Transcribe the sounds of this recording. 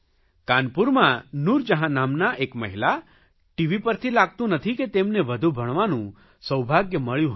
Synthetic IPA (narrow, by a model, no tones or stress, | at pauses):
kanpuɾmãnuɾd͡ʒəɦãnamnaʔekməɦila | ʈiʋipəɾt̪ʰilaɡ̚t̪ũnət̪ʰiket̪emneʋəd̪ʱubʱəɳʋanũ | səwbʱaɡjəməɭjũɦ